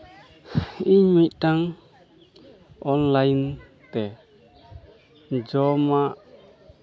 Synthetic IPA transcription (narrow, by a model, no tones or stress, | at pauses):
iɲmit̪̚ʈaŋ | ɔnlajn | t̪ɛ | d͡ʒɔmaʔ